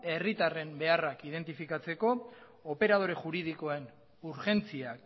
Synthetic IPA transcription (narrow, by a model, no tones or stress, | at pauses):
e̞rit̪are̞mbe̞arakið̞e̞nt̪ifikat͡se̞ko̞ː | pe̞ɾað̞o̞ɾe̞ʝuɾið̞iko̞e̞n | uɾʝe̞nt͡siak